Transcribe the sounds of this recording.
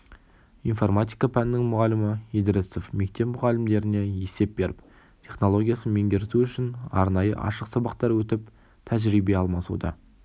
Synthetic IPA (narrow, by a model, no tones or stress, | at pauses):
info̞rmat̪ʲijkapʰænɪnːɪŋmʊʁɑlɪmɪid̪ɾesofme̞k̚t̪e̞pmʊʁɑlɪmd̪e̞ɾɪne̞je̞se̞p̚be̞ɾʔɪp̚ | t̪ʲʰe̞χno̞lˠo̞ɡʲijasənme̞ŋɡʲe̞ɾɪt̪uʏʃɪnɑ̰ɾnɑjə̰ʔɑ̰ʃəqsɑbɑqt̪ɑɾwɵt̪ɪp | t̪ʰæʒɾijbe̞ɑlˠmɑsṵd̪ɑ̰